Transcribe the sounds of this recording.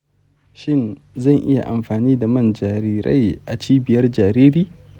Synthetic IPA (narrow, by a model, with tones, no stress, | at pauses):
ʃɪ˦˨n | zɐ˦˨ŋʔɪ̰˦ja̰˨ʔa˨mɸaː˨niː˦da˨mɐ˦nd͡ʒaː˨ɾiː˦ɾa̰˦jʔa˨t͡ʃiː˦bɪ˨jɐ˦rd͡ʒaː˨ɾiː˦ɾiː˦